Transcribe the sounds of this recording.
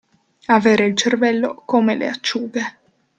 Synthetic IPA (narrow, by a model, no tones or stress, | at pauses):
aveːɾeilt͡ʃervɛlːokomelḛat͡ʃːuːɡe